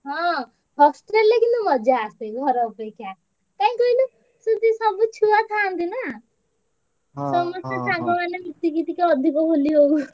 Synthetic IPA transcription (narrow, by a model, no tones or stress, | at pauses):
ɦɔ̃ | bʱʌksʈɾeɾlekint̪umʌd͡ʒaːst̪eɡʱʌɾɔpekja | kaĩkɔinu | sud̪isʌbut͡ʃʰuat̪ʰant̪inʌ | sʌmʌsjasaɡɔmanebit̪iɡit̪ikaɔd̪ʱikɔbʱoliɦow